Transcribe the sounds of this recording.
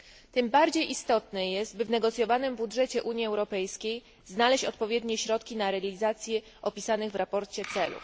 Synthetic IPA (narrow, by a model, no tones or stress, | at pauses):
t̪ɘmbaɾd͡ʑejʔist̪ɔt̪nɛjɛst̪̚bɘvnɛɡɔt̪sʲjɔvanɘmbudʐɛt͡ɕɛʔuɲiɛwɾɔpɛjskʲej | znalɛɕt͡ɕɔt̪pɔvʲjɛd̪ɲɛɕɾɔt̪kʲinaɾɛalʲizat̪sʲjɛ | ʔɔpʲisanɘɣvɾapɔɾt͡ɕɛt̪sɛlṵ